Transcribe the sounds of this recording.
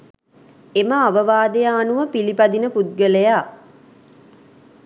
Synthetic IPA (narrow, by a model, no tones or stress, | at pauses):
eməaʋəʋaːd̪ejaːnuʋəpilipad̪inəpud̪̚ɡəleja